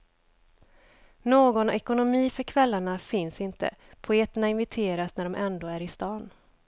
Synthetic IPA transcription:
noːɡɔnɛkʊnʊmiːfœɾkʰvɛlːaɳafɪnsɪnt̪ʰə̰pʰʊeːt̪əɳaɪnvɪt̪ʰeːɾasnæɖɔmʔɛnd̪oːæɾɪst̪ɑːn

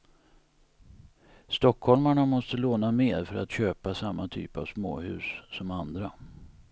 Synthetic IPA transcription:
st̪ɔkʰːhɔlmaɳamɔst̪əloːnameːɾfœɾa̰t̪ɕøːpasamːat̪ʰy̰ːpa̰vsmo̰ːhʉ̟ːsːɔmand̪ɾa

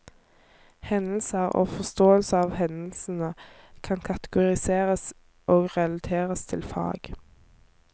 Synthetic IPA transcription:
hɛnl̩səʁo̰ːfɔst̪oːəlsəɑːʋhɛnl̩sn̩əkʰɑnkʰɑt̪əɡʊʁɪseːʁəs | ʔoːɡʁɛlɑt̪ʰeːʁəst̪ʰɪlfɑ̰ːɡ̥

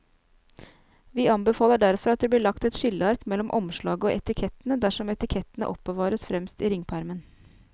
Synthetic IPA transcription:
ʋiːɑnbəfɑːləɖæɾfɔɾɑt̪̚d̪eːbliːɭɑkt̪ɛt̪ʃʏləɑɾkmɛlɔmʔɔ̰mʃɭɑːɡəoːʔɛt̪ɪkʰɛt̪ənəd̪æʂɔmɛt̪ɪkʰɛt̪ənə̰ʔɔpːəʋɑːɾəsfɾɛmst̪iːɾɪŋpʰæɾmən

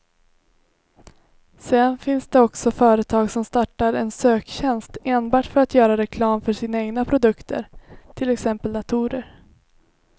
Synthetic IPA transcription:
sɛnfɪnsd̪ɛɔksɔfœːɾət̪ʰɑːɡsɔmst̪aʈːaɾɛ̰nsøːkɕɛnst̪eːnbɑːʈfœɾat̪jœːɾaɾɛkʰlɑːmfœʂiːnaeːɡnapʰɾʊd̪ɵkt̪ʰə̰ɾt̪ʰɪlɛksɛmpəld̪at̪ʰuːɾəɾ

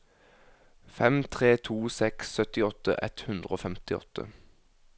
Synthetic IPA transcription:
fɛmt̪ʰʁeːt̪ʰuːsɛksːœt̪ɪɔt̪ə̰ʔɛ̰t̪hʉnd̪ʁəoːfɛmt̪ɪɔ̰t̪ʰə̰

